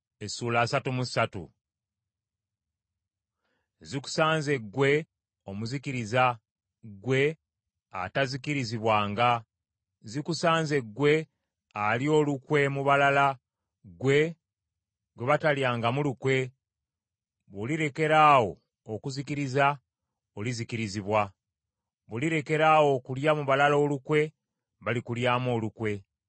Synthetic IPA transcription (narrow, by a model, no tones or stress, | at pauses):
esuːlaːsatumusatṵ | ziku̥saːnze̞ɡwe̞ | o̞muzikiɾiza | ɡwe̞ | a̰tazikiɾiziβwaːŋɡa | zikusaːnze̞ɡwe̞ | alio̞ːlukwe̞muβalala | ɡwe̞ | ɡwe̞βataljaːŋɡamulukwe̞ | βoliɾe̞ke̞ɾaːwo̞ː | kuzikiɾiza | olizikiɾiziβwa | βoliɾe̞ke̞ɾaːwo̞kuljamuβalalo̞ːlukwe̞ | βalikuljaːmo̞ːlukwe̞